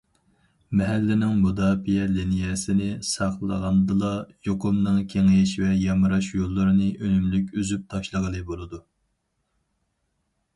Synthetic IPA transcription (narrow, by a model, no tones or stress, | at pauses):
mɛɦælːɪnɪŋmod̪ɑːpʰijɛlinijɛsɪnɪsɑχlˠə̰ʁɑnd̪ɨlˠɑjoqʊmnɨŋkʲʰeŋɪʃvɛjɑmɨɾɑʃjolˠːəɾɨnɨʔønymlykʲyzyp̚t̪ʰɑʃlˠəʁəlˠɨbolˠɨd̪u